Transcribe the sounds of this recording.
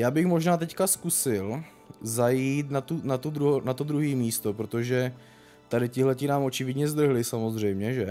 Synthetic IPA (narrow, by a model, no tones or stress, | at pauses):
jaːbɪxmo̞ʒnaːt̪ɛckaskusɪl | zajiːt̪nat̪unat̪ud̪ɾuɦonat̪od̪ɾuɦiːmiːst̪o̞pɾo̞t̪oʒɛ | t̪adɪcɪɦlɛcɪnaːmʔo̞t͡ʃɪvɪdɲɛzd̪r̩ɦlɪsamo̞zr̝ɛjmɲɛʒɛ